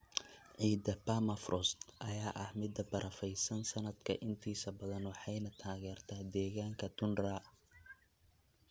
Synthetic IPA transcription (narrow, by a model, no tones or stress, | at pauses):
ʕiːd̪ɐpʰaːmɐfrʔɔst̪ʔɐjaːʔɐhmɪd̪ːɐbɐɾʔɐfɛjsɐnsɐnɐd̪kʰɐ̰ʔɪnt̪ʰiːsɐbɐðɐnwɑħɑjnɐt̪ʰaːɣɛːrt̪ʰaːd̪ɛːɣaːŋkʰɐt̪ʰʊnraː